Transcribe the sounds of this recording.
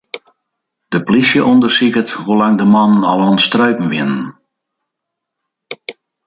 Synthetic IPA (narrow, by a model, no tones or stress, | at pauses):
d̥əplisjəʔɔndərsikəthulaŋdəmɔnənalˠɔnstrœɥpn̩ʋɪnən